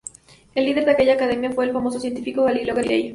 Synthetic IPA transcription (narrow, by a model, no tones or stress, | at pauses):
elːiðe̞ɾðeake̞ʝaːkað̞e̞mjafwe̞ːlfamo̞sosje̞nt̪ifikoɣaliloɣelḛj